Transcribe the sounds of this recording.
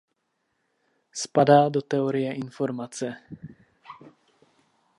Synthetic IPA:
spadaːdot̪ɛoɾɪjɛʔɪnfo̞ɾmat͡sɛ

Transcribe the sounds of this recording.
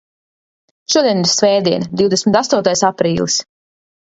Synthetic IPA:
ʃuɔd̪iɛniɾsvɛːd̪iɛnd̪iwd̪esʲmʲit̪ast̪uɔt̪ajsapɾiːlˠis

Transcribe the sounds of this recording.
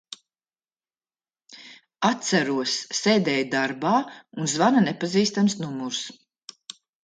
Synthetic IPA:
at̪sæɾuɔsːɛːd̪ɛːjd̪aɾbaːunzvananɛpaziːst̪amsnumuɾs

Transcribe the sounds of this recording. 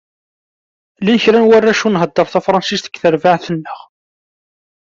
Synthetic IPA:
linçɾænwarːæʃunɦəd̪ːəɾˤθæfɾˤɑnsist̪ə̥ɡθəɾvaʕθənːəʁ

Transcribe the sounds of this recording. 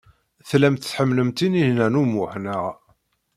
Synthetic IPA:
θlæmt̪θħəmːləmt̪inihnænumʊħnəʁ

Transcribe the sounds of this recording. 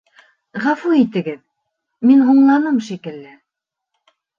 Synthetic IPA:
ʁæfuit̪ɘ̆ɡɘð | minɦuɴlˠɑnɤmʃikɘ̆lːɘ

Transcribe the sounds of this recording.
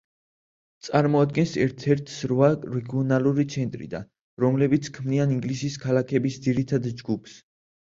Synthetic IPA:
t̪sʼaɾmɔad̪̚ɡɛnsɛɾt̪ʰɛɾt̪ʰsɾvaɾɛɡiɔnalˠuɾit̪sʰɛnt̪ʼɾḭd̪a̰n | ɾɔmlɛbit̪sʰkʰmnianiŋɡlisiskʰalakʰɛbisd̪ziɾit̪ʰad̪d͡ʒɡupʰs

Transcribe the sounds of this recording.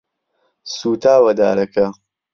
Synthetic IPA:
suːt̪ʰaːwɐd̪a̰ːɾɐkʰɐ

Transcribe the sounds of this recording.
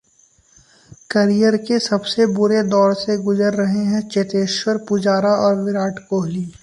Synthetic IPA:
kɐɾijəɾkesɐbsebʊɾed̪ɔːɾseɡʊzəɾːɐɦeɦɛ̃t͡ʃet̪eːʃwəɾpʊd͡ʒaːɾaʔɔːɾʋɪɾaːʈkoːɦliː

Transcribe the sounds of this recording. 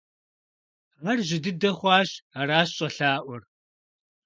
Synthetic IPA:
ʁɐrʑɪdɨdɐχʷɑːɕaɾaːɕɕʼɐɬaːʔʷɔr

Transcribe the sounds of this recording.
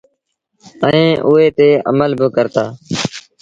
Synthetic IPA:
əẽːʔʊːɦeːt̪eːʔə̰məlbʱɪkəɾt̪aː

